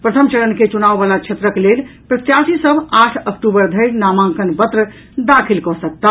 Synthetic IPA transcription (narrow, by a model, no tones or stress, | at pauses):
pɾət̪ʰəmt͡ʃələnket͡ʃunaʋbalat͡ʃʰet̪ɾəkelelpɾət̪jasisəbʱaʈʰəkʈubəɾd̪ʱəɪɾnamãŋkənbət̪ɾə | d̪akʰilkɔsək̚t̪a